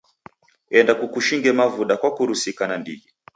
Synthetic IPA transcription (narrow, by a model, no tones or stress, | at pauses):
ɛndakukuʃiŋɡɛmavuɗakwakuɾusikanandḭɡɛ